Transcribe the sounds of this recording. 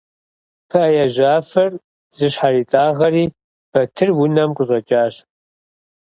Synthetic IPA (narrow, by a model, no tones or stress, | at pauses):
pʰɐɐjaʒaːfɐr | z̥ɨɕħariːtʼaːʁɐriː | b̥ɐtʰɨrwʊnɐmqʷʼʊɕʷʼɐt͡ʃʼaːɕ